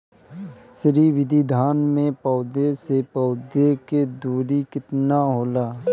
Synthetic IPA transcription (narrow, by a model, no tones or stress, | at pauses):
sɾiʋɪd̪ʱid̪ʱaːnmẽpɔːd̪esepɔːd̪eked̪uːɾikɪt̪naɦoːlaː